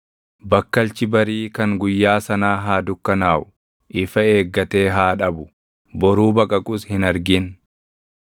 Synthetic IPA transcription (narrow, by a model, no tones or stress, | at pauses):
bɐkːɐlt͡ʃɪbɐɾiːkɐŋɡʊjːaːsɐnaːɦaːd̪ʊkːɐnaːʔʊ | ʔɪfɐe̞ːɡːɐt̪e̞ːɦaːᶑɐbʊ | bɔɾuːbɐkʼɐkʼʊshɪnɐɾɡɪn